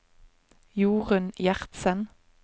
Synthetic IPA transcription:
juːʁənjæʁt̪sən

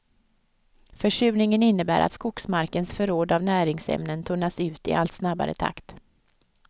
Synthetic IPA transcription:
fœʂʉ̟ːnɪŋənɪnːəbæ̰ːɾʔa̰t̪skʊksmaɾkənsfœɾoːd̪avnæːɾɪŋsɛ̰mnənt̪ʰɵnːasʉ̟ːt̪ɪ̰ʔa̰lt̪snaba̰ɾə̰t̪ʰa̰kt̪

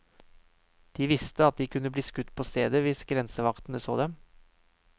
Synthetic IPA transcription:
d̪̥iːʋɪst̪əɑt̪̚d̪iːkʰʉnːəbliːskʉt̪ːpʰoːst̪ḛːd̪əʋɪsɡɾɛnsəʋɑkt̪n̩əso̰ːd̪ɛm

